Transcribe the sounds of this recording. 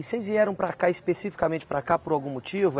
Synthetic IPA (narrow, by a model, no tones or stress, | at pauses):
sejzviɛɾɐ̃w̃pɾakaɪspesifi̥kamẽnt͡ʃɪ̥pɾakapoɾawɡũmot͡ʃivʊ